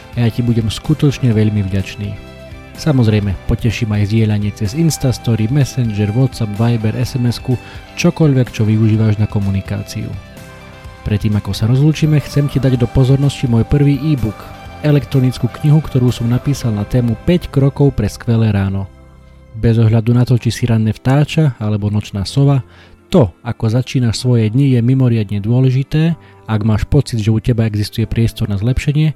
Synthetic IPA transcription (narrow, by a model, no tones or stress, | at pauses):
ajacibuɟɛmskut̪ɔt͡ʃɲɛʋɛʎmivɟat͡ʃnḭː | samɔzɾɛjmɛpɔcɛʃiːmajzɟɪɛʎaɲɪɛt͡sɛzinst̪ast̪ɔɾimɛsɛnd͡ʒɛɾʋɔt̪sapʋajbɛɾʔɛsɛmɛskut͡ʃɔkɔʎʋɛkt͡ʃɔʋiuʒiːʋaʒnakɔmunika̰ːt͡sḭṵ | pɾɛt̪ːiːmakɔsaɾɔzluːt͡ʃiːmɛxt͡sɛmcid̪aɟd̪ɔpɔzɔɾnɔscimɔjpr̩ʋiːʔiːbukɛlɛkt̪ɾɔnit͡skuːkɲiɦukt̪ɔɾuːsɔmnapiːsalnat̪ɛːmupɛckɾɔkɔʊpɾɛskʋɛlɛːɾaːnɔ | bɛzɔɦʎad̪unat̪ɔt͡ʃisiɾanːɛft̪aːt͡ʃaalɛbɔnɔt͡ʃnaːsɔʋa | t̪ɔakɔzat͡ʃiːnaʃsʋɔjɛd̪ɲijɛmimɔɾɪad̪ɲɛd̪ʊɔlɛʒit̪ɛː | aɡmaːʃpɔt͡sid̪ʒɛucɛbaɛɡzist̪ujɛpɾɪɛst̪ɔɾnazlɛpʃɛɲɪɛ